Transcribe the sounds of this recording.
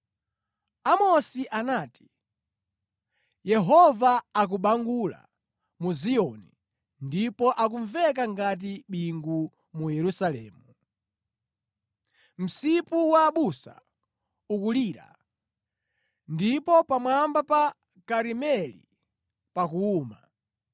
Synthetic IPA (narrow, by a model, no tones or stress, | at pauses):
amɔsiʔanaːti̥ | jɛɦɔvaak̬uɓaŋɡula̰ | muziɔni | ndipɔʔak̬uɱvɛk̬aŋɡat̬iɓiŋɡu | mujɛɾusalɛːmu | m̩sipuwaːɓusa̰ | ukuliːɾa̰ | ndipɔpamwambapa | kaɾimɛlḭ | pakuːma